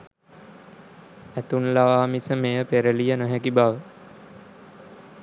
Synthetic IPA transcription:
æt̪unlaʋaːmisəmejəpeɾəlijənoɦækibaʋə

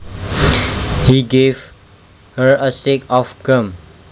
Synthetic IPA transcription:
hiɡev | həɹəsekɔfɡə̃m

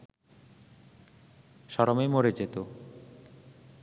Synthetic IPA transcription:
ʃɔɾomemoɾed͡ʑet̪o

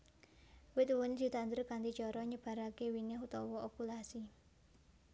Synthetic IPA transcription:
wɪt̪̚wʊnd̪̥i̤t̪and̪ərkand̪id͡ʒɔɾɔɲəb̥a̤ɾakewinɪɦut̪ɔwɔʔokulasi

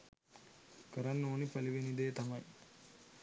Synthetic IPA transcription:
kɐɾɐnːoːnipɐliʋɐnid̪eːt̪ɐmɐj

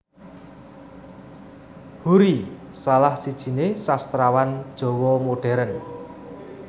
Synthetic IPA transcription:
huɾisalahsid̥ʒ̥i̤nesast̪ɾawand̥ʒ̥ɔ̤wɔmoɖ̥ɛ̤ɾən

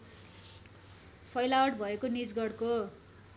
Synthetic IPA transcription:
pʰʌjlawʌʈ̚bʱʌekonid͡zɡʌɽko

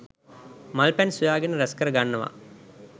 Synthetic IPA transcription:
mɐlpɛnsujaːɡenəɾɐskɐɾəɡanːəʋa̰

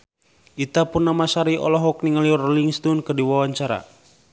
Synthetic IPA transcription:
it̪apunːamasaɾiɔ̰lɔɦɔk̚niŋaliɔrɔliŋst̪ɔnkɨrdiwawaɲt͡ʃaɾa̰

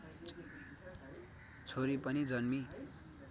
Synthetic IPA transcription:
t͡sʰoɾipʌnid͡zʌnmi

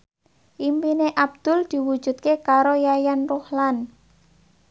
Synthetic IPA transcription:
ʔimpineʔab̚d̪̥ʊ̤ld̪̥i̤wu̥ʒ̥ṳt̪̚kekaɾojajanrohlan

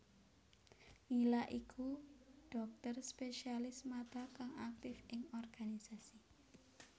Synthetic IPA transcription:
ŋilaʔikʰuɖ̥ɔ̤k̚t̪ərspeʃialɪsmat̪akaŋak̚t̪ɪfɪŋɔrɡ̥anisasi

